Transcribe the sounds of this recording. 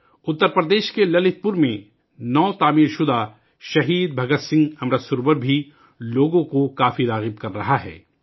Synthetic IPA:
ʊt̪ːəɾpɾəd̪eːʃkelɐlɪt̪̚pʊɾmẽ | nɔːt̪aːmiːɾʃʊd̪a | ʃɐɦiːd̪̚bʱɐɡət̪sɪ̃ŋɡɐmɾəsʊɾbəɾbʱi | loːɡõkokaːfiɾaːɣɪb̚kɐɾːɐɦaɦɛ̰ː

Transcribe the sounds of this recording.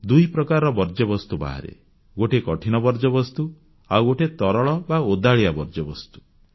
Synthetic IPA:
d̪uɦipɾɔkaɾɔɾɔbɔɾd͡ʒɔbɔst̪uba̰ɦa̰ɾḛ | ɡoʈekɔʈʰinɔbɔɾd͡ʒɔbɔst̪u | awoʈʰet̪ɔɾɔɭɔbaod̪aɭiabɔɾd͡ʒɔbɔst̪u̥

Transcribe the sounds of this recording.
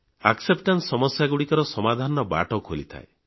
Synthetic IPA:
aksepʈansːɔmɔsjaɡuɽikɔɾɔsɔmad̪ʱanɔba̰ʈɔkolit̪ʰa̰ḛ

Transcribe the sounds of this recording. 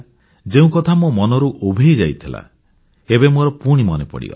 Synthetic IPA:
d͡ʒeũkɔt̪ʰamomɔnɔɾuʔobʱejd͡ʒajt̪ʰila̰ | ebemoɾɔpuɽ̃imɔnepɔ̰ɽḭɡɔ̰la

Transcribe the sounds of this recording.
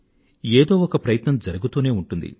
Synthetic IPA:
eːd̪o̞ːɔkɐpɾɐjɐt̪nɐmd͡ʒɐɾuɡut̪uːne̞ːuɳʈund̪ḭ

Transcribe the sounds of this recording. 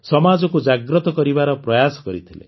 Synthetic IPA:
sɔmad͡ʒɔkud͡ʒaɡɾɔt̪ɔkɔɾibaɾɔpɾɔjasɔ̥kɔɾit̪ʰilḛ

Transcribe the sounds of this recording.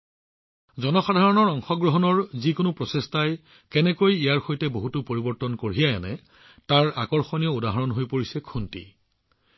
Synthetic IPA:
zɔnɔxadʱaɹɔnɔɹɔŋxɔɡɹɔɦɔnɔɹzikʊnʊpɹɔsestaj | kɛnɛkojijaɹxojtɛboɦutʊpoɹibɔɹtɔnkoɹijajanɛ̰ | taɹa̰kɔɹxɔnijɔudaɦaɹɔnɦojpoɹisɛkʰuntḭ

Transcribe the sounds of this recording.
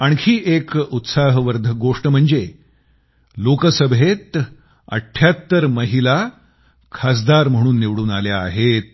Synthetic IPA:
aɳkʰiːʔekut̪saɦʋəɾd̪ʱəɡoʂʈəm̤əɳd͡ze | lokəsəbʱet̪ | ə̰ʈʰːjat̪ːəɾməɦila | kʰas̬d̪aɾm̤əɽ̃uːnːeʋɽuːnaljaːɦet̪̚

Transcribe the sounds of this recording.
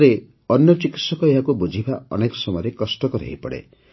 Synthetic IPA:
ɾe | ɔnjɔt͡ʃikit̪sɔkɔeɦakubud͡ʒʱibʱaɔ̰nekɔ̥sɔmɔjɔɾekɔsʈɔkɔɾḛɦipɔɽḛ

